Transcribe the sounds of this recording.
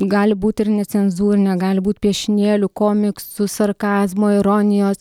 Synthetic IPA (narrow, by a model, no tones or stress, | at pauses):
ɡɑːlʲɪbuːt̪ʲɪɾnʲɛtt͡s̪sʲɛnzuːɾʲɪnʲɛɡɑːlʲɪbuːt̪ʲpʲiɛʃʲɪnʲeːlʲʊkoːmʲɪksʊsɐɾkɑːzmoːɪɾoːnʲɪjoːs